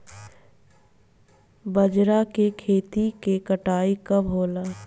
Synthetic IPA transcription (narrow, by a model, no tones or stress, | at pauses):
bɐd͡ʒɾakekʰeːt̪ikekəʈaːikɐbʱɦoːlaː